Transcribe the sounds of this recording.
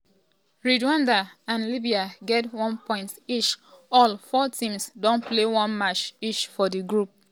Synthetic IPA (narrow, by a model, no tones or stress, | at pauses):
ɹidwãndaãnlibiaɡɛtwɔ̃npʰɔ̃ɪ̃ntiʃɔlfɔtʰĩmsdõnplewɔ̃nmat͡ʃiʃfɔdiɡɹup̚